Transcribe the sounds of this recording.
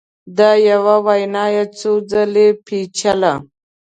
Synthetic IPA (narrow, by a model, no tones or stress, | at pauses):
d̪ajawawajnaːjat͡sod͡zalepʰit͡ʃʰala